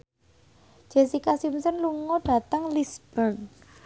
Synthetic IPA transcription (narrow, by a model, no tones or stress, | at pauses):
d͡ʒ̥esikasimsənluŋɔɖ̥a̤t̪əŋlisb̥ən